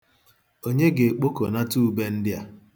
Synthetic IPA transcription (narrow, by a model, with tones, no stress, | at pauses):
o˦ɲe˦ɡe˨k͡po˦ko˨na˦tu˦˨˦be˦n̩˦dɪ˦a˨